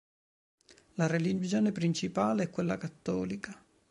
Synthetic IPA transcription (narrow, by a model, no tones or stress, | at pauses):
laɾelid͡ʒjoːnepɾint͡ʃipaːleɛkːwelːakat̪ːɔːlika